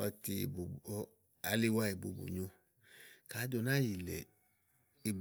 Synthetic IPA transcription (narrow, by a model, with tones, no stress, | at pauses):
ɔ˧ti˧˨bo˨˧ | a˨˧li˦wa˦i˨bo̰˨bo̰˨ɲõ˧ | ka˨˦do˧˨nã˦ji˨lɛ̰˨ | i˨b